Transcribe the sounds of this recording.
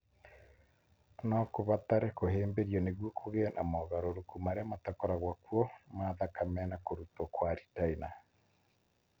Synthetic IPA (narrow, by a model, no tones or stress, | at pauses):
nɔkoβat̪aɾɛkoɦeːmbeɾiɔneɣwokʰoɣenʔa̰mɔɣaɾoɾokumaɾeamatakɔɾaɣwakuɔmaðakamɛnakoɾutokwaɾitaina